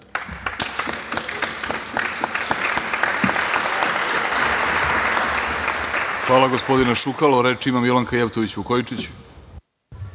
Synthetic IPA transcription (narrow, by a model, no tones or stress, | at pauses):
xʋaːlaɡospo̞d̪inaʃukaloɾet͡ʃimamilaŋkajept̪oʋit͡ɕukojit͡ʂit͡ɕu̥